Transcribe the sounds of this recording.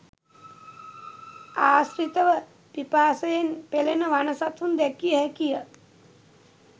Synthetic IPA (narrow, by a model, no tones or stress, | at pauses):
aːsɾit̪əʋə | pipaːsəjenpelenəʋanəsat̪und̪ɛkijəɦɛkijə